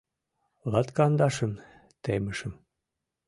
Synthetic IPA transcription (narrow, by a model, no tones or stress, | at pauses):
lɑt̪kɑnd̪ɑʃə̆m | t̪emə̆ʃə̆m